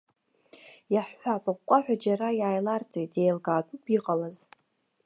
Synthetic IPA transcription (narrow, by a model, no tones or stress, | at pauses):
jaħːʷᶣapʼaqʷkʷʼaħʷᶣad͡ʒaɾajaːjlart͡sʼejtʼʰjejlɡaːtʷʼupʰʼiqʼalaz